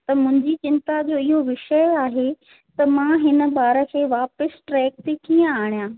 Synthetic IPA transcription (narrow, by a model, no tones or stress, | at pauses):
t̪ɐmʊ̃ɦɪ̃ɲd͡ʑit͡ɕɪ̃nt̪ad͡ʑoːɪɦoʋɪʃəjaːɦe | t̪ɐmãːɦɪnə̆baːɾə̆kʰeːʋaːpəsʈɾɛːk̚t̪ikiːə̃aːɽ̃ijãː